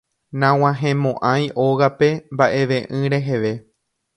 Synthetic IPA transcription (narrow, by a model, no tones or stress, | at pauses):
nãw̃ãɦẽmõʔãjʔoɣape̞mbaʔe̞ʋẽ̞ʔɨ̃ɾe̞ɦe̞ʋe̞